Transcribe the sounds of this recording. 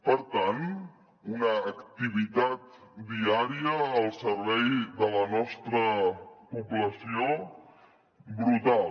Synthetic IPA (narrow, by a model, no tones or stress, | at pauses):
pəɾt̪an | unəːkt̪iβ̞it̪at̪d̪iaɾiəːlˠsəɾβɛjðələnɔst̪ɾəpubləsio | bɾut̪al